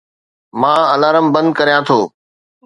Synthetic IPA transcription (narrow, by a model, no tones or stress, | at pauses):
mãːəlaːɾəmbə̃nd̪̚kəɾijãːt̪ʰoː